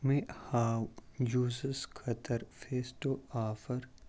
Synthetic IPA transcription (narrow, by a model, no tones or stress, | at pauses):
mẽhaːwjuːzəskʰɐt̪ʰəɾfeːsʈoaːfəɾ